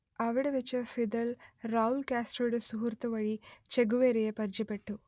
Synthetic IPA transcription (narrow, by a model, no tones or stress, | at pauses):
ɐʋɐɽɐʋet͡ʃːɐfid̪ɐlɾaːulkaːsʈɐɖusuɦuɾt̪ɐʋɐɭit͡ʃeɡuʋeːɾejepɐɾd͡ʒɐpeʈːu